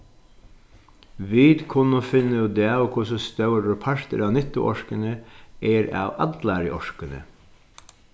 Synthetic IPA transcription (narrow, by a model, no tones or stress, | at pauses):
ʋiːd̪kʰʊnʊfɪnːəjʊd̪ɛːɔkʰʊsɔst̪œʊɾːʊpʰɑɹt̪ə̰ɾɑːʋnɪt̪ʊ̰ʔɔʂkənəɛːɾɑ̰ːʋɑ̰d̪lɑːɾə̰ʔɔʂkənə̰